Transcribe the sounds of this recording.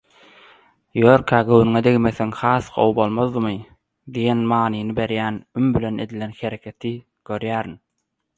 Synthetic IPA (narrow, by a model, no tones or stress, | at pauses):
joɾkʰɑːɡøwinŋed̪eɣimeθeŋhɑːθqʰo̰wbo̞lˠmoðːɯmɯ | d̪ijenmɑːnɯnɯbe̞ɾjæːnymbile̞ne̞d̪ilenxe̞ɾekʰe̞t̪ʰi | ɡ̥ø̞ɾjæːɾin